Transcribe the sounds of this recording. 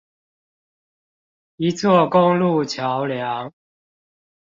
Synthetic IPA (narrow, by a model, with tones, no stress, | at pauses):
i˨˦t͡swɔ˥˨kʊ˦ŋlu˥˨t͡ɕʰja˨˦ʊlja˨˦ŋ